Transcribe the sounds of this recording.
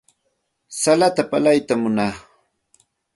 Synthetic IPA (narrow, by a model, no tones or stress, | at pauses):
salat̪apalajt̪amʊnaː